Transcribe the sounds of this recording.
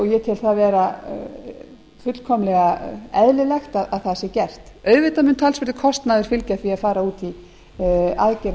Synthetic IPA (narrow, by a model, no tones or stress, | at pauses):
ɔɣjɛt̪ʰɪlθaðvɛːɾa | fʏt̪l̥kʰɔmlɛɣaɛðlɪlɛxt̪aðaðθasɪcɛr̥t̪ | œːɥvɪt̪amʏnt̪ʰalsvɛɾt̪ɪ̥kʰɔst̪naðɪɾ̥fɪlcaθviaðfaːɾauːt̪i | aðcɛɾ